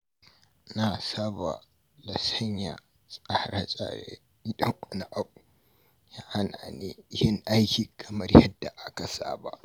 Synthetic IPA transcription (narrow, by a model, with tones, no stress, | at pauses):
na˨saː˦ba̰˨ | lɐ˨sɐ˦ɲja̰˨ | sʼa˦hɾa˦t͡ʃʼa̰ː˨ɽḛ˦ | i˦ɗɐ˦ŋkʷʼɐ˨na˦˨ʔa˦ku˨ | jaː˦ha˦na˨ne˦jɪ˦ŋʔa˦jkʲiː˨kʰɐ˨mɐ˦rjɐ˦dːa˨ʔa˦ka˨sa̰ː˦ba̰˦ʔ